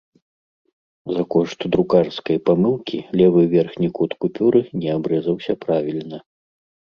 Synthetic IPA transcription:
zɐkɔʂt̪d̪ɾukarskɐjpamɨlˠkʲilʲɛvɨvʲɛrxnʲikut̪kupʲuɾɨnʲɛabɾɛzɐwsʲɐpɾavʲilʲnɐ

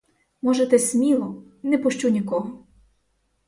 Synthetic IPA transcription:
mɔʒet̪ɛsʲmʲilˠɔ | nɛpɔʃt͡ʃunʲikɔɦɔ

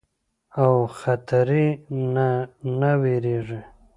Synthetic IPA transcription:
awxat̪aɾinnaweɾeʐi

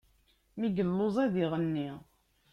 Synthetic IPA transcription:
miɡəlːozˤæðiʁənːi

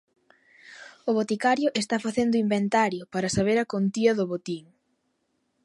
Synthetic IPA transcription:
ʊβot̪ikaɾjʊʔest̪afaθend̪ʊimbent̪aɾjʊpaɾɐsaβ̞eɾɐkont̪iɐðʊβot̪iŋ

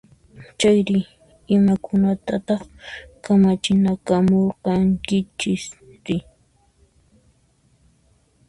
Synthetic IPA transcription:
t͡ʃajɾɪ | ɪmakʊnat̪at̪ɑχkamat͡ʃɪnakamoɾqɑŋkɪt͡ʃɪsɾɪ

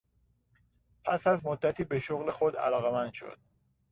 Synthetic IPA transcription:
pʰæsæzmod̪ːæt̪ʰiːbe̞ʃoɣle̞xod̪æ̰lɒːɣemænd̪ʃo̰d̪̥

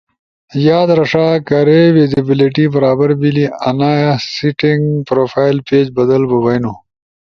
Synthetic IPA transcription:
jaːd̪ɾɐʂaːkɐɾewizibɪliʈibɐɾaːbɐɾbiliɐnaːjsiʈiŋɡpɾoːfaːjlpeːd͡ʑbɐd̪ɐlbɐbɐjnu

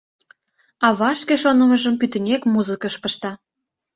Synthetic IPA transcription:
ɑβɑʃkeʃonə̆mə̆ʒə̆mpyt̪ə̆nʲekmuzəkəʃpə̆ʃt̪ɑ

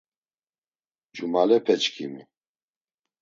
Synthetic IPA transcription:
d͡ʒumalɛpʰɛt͡ʃkʰḭmi

